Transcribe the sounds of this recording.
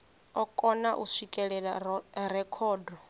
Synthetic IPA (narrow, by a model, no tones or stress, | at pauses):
ɔkʼɔnaʔusikʼɛɺɛɺarɛkʰɔːdɔ